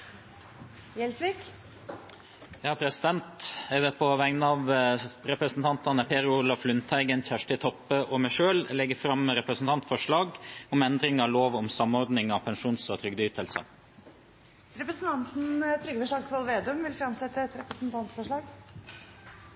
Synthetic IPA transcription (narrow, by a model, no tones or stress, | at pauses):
jɛlsʋiːk | jæhɑpʰɾɛsɪd̪ɛnt̪ɛʋəpʰɔʋæŋnɑʋɾɛpɾəsn̩t̪ʰɑnt̪ɑnəpʰeːɾʊʊlɑflʉnt̪ʰæɪɡɛnçæʂʈɪt̪ʰɔpːəʔɔmæɪʂøːllɛɡəfɾɑmɾɛpɾəsn̩t̪ɑnt̪fɔʂɭɑːɡɔmɛnd̪ɾɪŋɑloːʋɔmsɑmɔɾd̪nɪŋɑpʰɛnʂuːnsɔt̪ʰɾʏɡd̪yːt̪ʰəlsə̰ | ɾɛpɾəsn̩t̪ɑnt̪n̩t̪ʰɾʏɡəfɔʂɭɑːɡsʋɑlʋeːd̪ʉmʋɪlfɾɑmsɛt̪ːəɛt̪ɾɛpɾəsn̩t̪ʰɑnt̪fɔʂɭɑːɡ